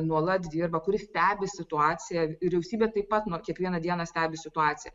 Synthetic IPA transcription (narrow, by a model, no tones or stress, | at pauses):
nuɔlˠɐt̪d̪ʲiːrbɐkʊɾʲɪsʲt̪ʲæːbʲɪsʲɪt̪ʊɑːt͡ssʲɪjæʋʲɪɾʲɛʊsʲiːbʲeːt̪ɐɪppɐt̪nokʲiɛkʋʲiɛnɐd̪ʲiɛnɐsʲt̪ʲæːbʲɪsʲɪt̪ʊɑːtt͡s̪ʲɪjɛ